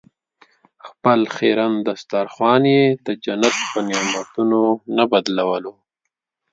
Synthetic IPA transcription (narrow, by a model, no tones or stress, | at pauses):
xpəlxeɾand̪ast̪aɾxwɑnjed̪əd͡ʒanat̪̚pənemat̪unonabad̪lawəlo